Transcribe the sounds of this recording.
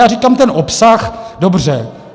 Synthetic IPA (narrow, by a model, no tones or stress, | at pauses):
aːriːkaːmt̪ɛnʔopsaxdobr̝ɛ